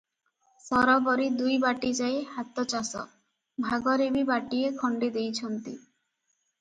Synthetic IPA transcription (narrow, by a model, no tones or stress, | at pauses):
sɔɾɔbɔɾid̪ujbaʈid͡ʒajehat̪ɔt͡ʃasɔ̰ | bʱaɡɔɾebibaʈiekʰɔɳɖid̪ejt͡ʃʰɔnt̪i